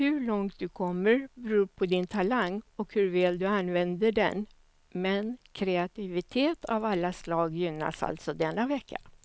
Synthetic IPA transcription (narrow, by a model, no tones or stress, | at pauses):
hɵɭɔŋt̪̚d̪ɵkʰɔmːəɾbɛɾuːpʰɔd̪ɪnt̪ʰalaŋːɔkhɵɾvɛːld̪ɵanvɛnd̪əɖɛ̰n | mɛnkʰɾɛat̪ɪvɪt̪ʰeːt̪ʰavalːaslɑːɡjʏnːa̰sa̰lt̪sɔd̪ɛnːavɛkːa